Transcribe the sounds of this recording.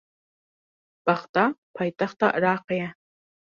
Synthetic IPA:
b̥aχtʰʼapʰaːjtʰʼaχtʰaʔraːqɐja

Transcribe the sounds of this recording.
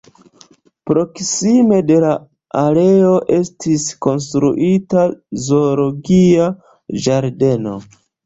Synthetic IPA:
pɾo̞ksime̞de̞la | aɾe̞o̞ʔe̞stisko̞ns̬tɾṵʔitazo̞ɾo̞ɡia | d͡ʒaɾde̞no̞̰

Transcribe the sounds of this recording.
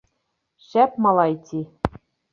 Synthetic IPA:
ɕæp̚mɑlˠɑjt̪ʲʰi

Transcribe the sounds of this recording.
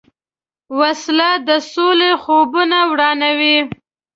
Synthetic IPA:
waslad̪əsolexobunawɽɑnawi

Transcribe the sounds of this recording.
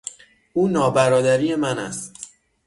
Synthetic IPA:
ʔuːnɒːbæɾɒːd̪æɾiːje̞mænæ̰st̪

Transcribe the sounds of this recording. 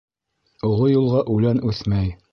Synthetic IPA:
ŏʁojulˠʁɑʔʉlænʉθmæj

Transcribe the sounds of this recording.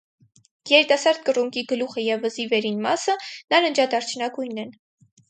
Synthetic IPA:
jɛɾit̪ɑsɑɾd̪̚kəruŋkiɡəluχəjɛvəzivɛɾinmɑsənɑɾənd͡ʒɑd̪ɑɾt͡ʃʰnɑɡujnːɛn

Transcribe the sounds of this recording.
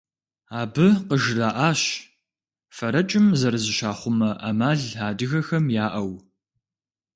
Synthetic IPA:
aːbɨqəʒraːʔaːɕ | fɐɾɐt͡ʃʼɪmzɐɾzɨʃaːχʷʊmɐʔɐmaːɮaːdɨɣɐxɐmjaːʔɐw

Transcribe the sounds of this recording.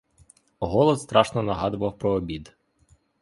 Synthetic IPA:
ɦɔlˠɔsst̪ɾɑʃnɔnɐɦɑd̪ʊʋɐwpɾɔːbʲid̪

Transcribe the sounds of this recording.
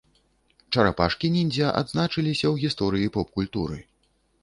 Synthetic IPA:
t͡ʂɐɾapa̰ʂkʲinʲinʲd͡zʲɐʔa̰d̪znat͡ʂɨlʲisʲɐwɣʲist̪ɔɾɨjipɔpkulʲt̪uɾɨ̰

